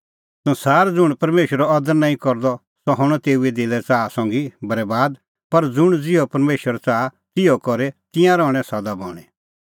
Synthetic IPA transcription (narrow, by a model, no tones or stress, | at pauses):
sʊ̃saːɾd͡zʊɽ̃pɐɾmeːʃəɾɔɐd̪əɾnãːĩkɔɾd̪ɔ | sɔɦɔɽ̃ɔ̃t̪eːued̪ɪlɛt͡saːsɔ̃ːŋɡibɐɾɛbaːd̪ | pɐɾd͡zʊɽ̃d͡zɪɔpɐɾmeːʃəɾt͡saːat̪ɪjɔkɔɾɛt̪ɪ̃jãɾɔːɽ̃ɛ̃sɐd̪abɔːɽ̃ɛ